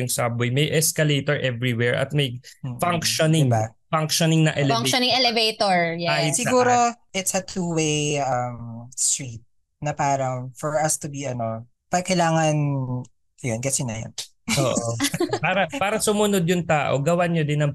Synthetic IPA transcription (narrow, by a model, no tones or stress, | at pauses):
ʊŋsaːbʊjmɐjʔɛskɐlet̪ɔɹʔɛvɹiwɛɹʔɐ̰t̪̚mɐj̩faŋkʃonɪɪŋbafɐŋkʃonɪŋnɐʔɛlŋkʃnɪŋɛlɛvejt̪oɹajsɪɡuːɾoʔɪt̪sɐt̪uːwejɐmst̪ɹiːt̪̚ | nɐpaːɾɐŋfɔɹɐst̪ʊbiɐno | pɐkɐjlaːŋɐn | ɐjonɡɐt̪sɪnɐ̰jɐ̰n | ʔoːʔopaːɾɐpaːɾɐsʊmʊnod̪̚jʊŋt̪aːʔo̰ɡɐwaɲod̪ɪnɐŋ